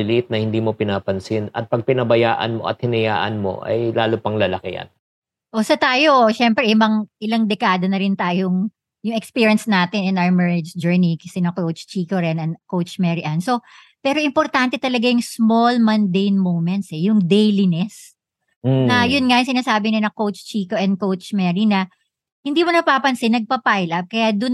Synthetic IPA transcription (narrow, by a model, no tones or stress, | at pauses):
ɪlʔɪt̪̚nɐhɪnd̪iːmo̞pɪnapɐnsɪnɐ̰t̪̚pɐɡ̚pɪnɐbɐja̰ːʔɐ̰nmo̰ʔɐ̰t̪̚hɪnɐja̰ːʔɐ̰nmo̰ʔɐ̰jlaːlopɐŋlɐlɐkɪɐ̰n | ʔosɐt̪aːjo̞ʃɛmpɾɛʔɪbɐŋʔɪlɐŋd̪ɛkaːd̪ɐnɐɾɪnt̪aːjoŋ | jʊŋɛkspiːɹijɐnsnaːt̪ɪnɪnʔawɐmɛɹɪd͡ʒd͡ʒɛɹnikɐsɪnɐkowt͡ʃt͡ʃiːkoɾɛnɐnkowt͡ʃmɛɹiʔɐnso̞ | pɛːɾo̞ʔɪmpoɾt̪ant̪ɛt̪ɐlɐɡajʊŋsmolmɐnd̪ejnmowmɛnt̪sɛjʊŋd̪ejlinɛs | ɐjʊnŋajʊŋsɪnaːsaːbɪɲɐnɐkowt͡ʃt͡ʃiːkoʔɛnd̪̚kowt͡ʃmɛːɹinɐ | hɪnd̪iːmonɐpaːpɐnsɪnɐɡ̚pɐpajlʔɐp̚kɐjad̪ʊn